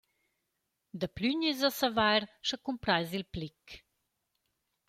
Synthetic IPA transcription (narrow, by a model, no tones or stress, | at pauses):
d̪əplyɲizəsɐvajɾʃəkumpɾajzilplik